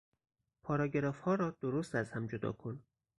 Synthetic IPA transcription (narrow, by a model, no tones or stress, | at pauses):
pʰɒːɾɒːɟeɾɒːfhɒːɾɒːd̪̥oɾost̪æzhæmd͡ʒod̪ɒ̰ːkʰo̞n